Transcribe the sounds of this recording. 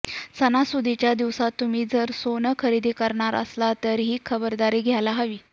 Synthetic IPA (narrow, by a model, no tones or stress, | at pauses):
sənasud̪ʱit͡ɕjad̪iʋsat̪ːum̤iːd͡zəɾsonəkʰəɾid̪ikəɾɳaɾə̰slat̪əɾɦiːkʰəbəɾd̪aɾiːɡʱjalaɦəʋiː